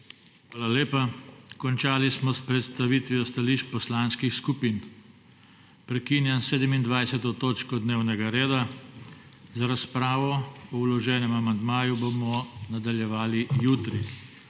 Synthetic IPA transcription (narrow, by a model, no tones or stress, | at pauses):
xʋaːlaleːpakɔnt͡ʃaːlismɔspɾɛt̪st̪aʋiːt̪ʋiɔst̪aliːʃt͡ʃpɔslanskixskupin | pɾɛkiːnjɛnseːd̪ɛmind̪ʋajsɛt̪ɔt̪oːt͡ʃkɔd̪neːwnɛɡaɾeːd̪a | zaɾaspɾaːʋɔɔwlɔʒɛːnɛmamand̪maːjubomɔnad̪aljɛʋaːlijuːt̪ɾi